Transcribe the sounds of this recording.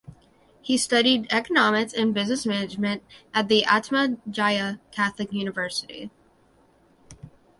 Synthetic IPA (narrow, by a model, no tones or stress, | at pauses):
histʌɾidɛkənɑmɨksɨ̃nbɪznɨsmænɨd͡ʒmɨ̃nt̚ʔɨt̪̚ðiʔætməd͡ʒaɪɨkʰæθlɨkjʉnɨvɜ˞sɨɾḭ